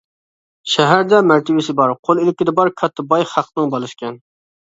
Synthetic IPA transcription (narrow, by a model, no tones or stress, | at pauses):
ʃɛɦæɾd̪ɛmæɾt̪ʰɪbɪsɪbɑɾqʰolˠilɪkʲid̪ɛbɑɾkʲʰɑt̪ʰːɨbɑjhæqʰːənɨŋbɑlˠɨʃkʲɛn